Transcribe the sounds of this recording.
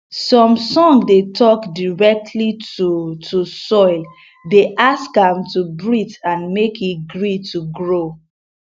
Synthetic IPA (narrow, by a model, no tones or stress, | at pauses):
sɔ̃msɔ̃ŋdetʰɔkdiɹɛk̚tʰlitutʰusɔɪl | deʔaskãmtubɹitãnmekiɡɹituɡɹo